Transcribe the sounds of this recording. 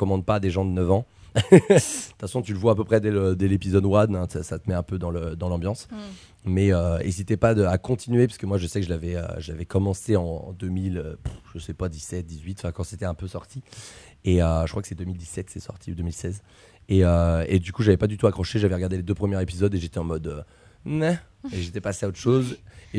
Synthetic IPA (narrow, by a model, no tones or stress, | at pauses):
kɔmɑ̃d̪̚paːd̪eʒɑ̃d̪ənœvɑ̃ | d̪̥ət̪fasɔ̃t̪yləvwaːpøpχɛd̪ɛləd̪ɛlepizɔd̪wad̪ɛ̃t̪sat̪əmɛɛ̃pød̪ɑ̃ləd̪ɑ̃lɑ̃bjɑ̃s | mɛøḛzit̪ɛpad̪əakɔ̃t̪ʰinɥepɥi̥səkəmwaʒəsɛkəʒəlavɛø̰ʒəlavɛkɔmɑ̃seɑ̃d̪ømilʒ̥əsɛpad̪isɛt̪̚d̪izɥit̪ɑ̃fɛ̃kɑ̃set̪ɛɛ̃pøsɔʁt̪i | eøʒəkχwakəsɛd̪ømild̪isɛt̪sɛsɔ̰ʁt̪ʰiud̪ømilsɛz | eøed̪ykuʒavɛpad̪yt̪uakχɔʃeʒavɛʁəɡaʁd̪eled̪øpχəmjɛʁepizɔd̪eʒet̪ɛɑ̃mɔd̪ø | ɛ | eʒet̪ɛpaseaot̪χʃoze